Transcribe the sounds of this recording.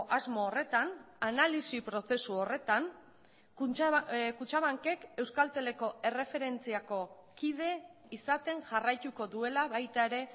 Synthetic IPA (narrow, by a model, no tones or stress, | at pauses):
ʔazmoːre̞t̪an | analisipɾo̞se̞suore̞t̪an | kut͡ʃaβaŋke̞ke̞wskalt̪e̞le̞ko̞e̞re̞fe̞ɾe̞nt͡siako̞kið̞e̞ | isat̪e̞ŋʝarajt̪uko̞ðue̞laβajt̪ae̞ɾe̞